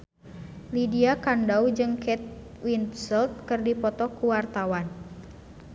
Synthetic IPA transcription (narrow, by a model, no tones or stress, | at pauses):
lidiakandawd͡ʒɨŋkɛt̪̚ | winsəlt̪̚kɨrdipɔt̪ɔkuwart̪awan